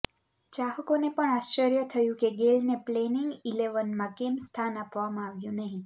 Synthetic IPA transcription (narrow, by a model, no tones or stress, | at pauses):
t͡ʃaɦəkonepəɳaʃt͡ʃəɾjət̪ʰəjũkeɡelnepleniŋɡileʋənmãkemst̪ʰanapʋamãaʋjũnəɦĩ